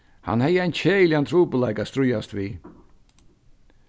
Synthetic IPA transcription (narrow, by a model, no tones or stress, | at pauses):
ha̰nhɛjːəajnt͡ɕʰeːjɪljant̪ʰɾuːpəlajkast̪ɾʊjast̪viː